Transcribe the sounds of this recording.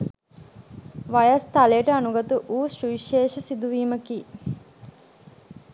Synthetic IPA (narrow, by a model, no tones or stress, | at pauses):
ʋajɐst̪alejəʈəanuɡɐt̪uʔuːʃuʋiʃeːʃɐsid̪uʋiːməkiː